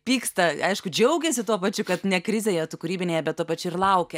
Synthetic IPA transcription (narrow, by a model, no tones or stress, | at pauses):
pʲiːkst̪ɐɐɪʃkʊd͡ʒʲɛʊɡʲɛsʲɪt̪uɔpɐt͡ʃʲʊkɐt̪nʲɛkɾʲɪzʲeːjɛt̪ʊkʊɾʲiːbʲɪnʲeːjɛbʲɛt̪t̪ːuɔpɐt͡ʃʲʊɪɾlˠɐʊkʲɛ